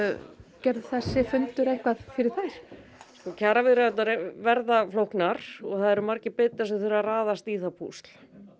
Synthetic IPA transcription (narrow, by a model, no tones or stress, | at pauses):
cɛɾðθɛsːɪfʏnt̪ʏɾejhkvaðfɪɾɪɾ̥θajɾ̥ | skɔːcʰaːɾavɪðɾaɛt̪naɾvɛɾðaflowhknaɾ̥ɔɣθaðɛɾʏmaɾcɪpɪt̪ːasɛθɪɾaraːðast̪iːθapʰṵst̪l̥